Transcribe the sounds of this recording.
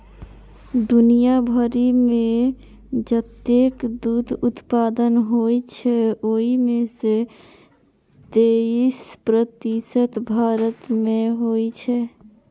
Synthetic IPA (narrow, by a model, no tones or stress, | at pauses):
d̪ʊnijabʱəɾimẽ | d͡ʒət̪ekd̪ud̪ʱʊt̪paːd̪ənɦoit͡ʃʰɛoːimẽse | t̪eispɾət̪isət̪bʱaːɾət̪mẽɦoit͡ʃʰɛ